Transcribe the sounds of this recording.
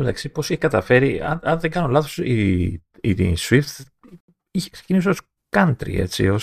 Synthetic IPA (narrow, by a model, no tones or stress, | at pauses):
met̪ɐksipo̞siçekɐt̪ɐfe̞ɾiɐ̰ɐnðeŋɡɐnolɐθosi | iswift̪ | içekse̥cinisoos | kɐnt̪ɾḭe̞̰t͡sḭo